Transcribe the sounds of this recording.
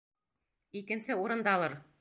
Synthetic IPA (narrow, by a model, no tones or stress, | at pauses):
ikɘ̆nsɘuɾɤ̆nd̪ɑlˠɤɾ